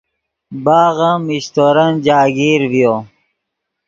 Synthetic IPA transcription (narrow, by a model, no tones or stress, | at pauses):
baːɣamiɕt̪oɾɐnd͡ʑaːɡiːɾvijoː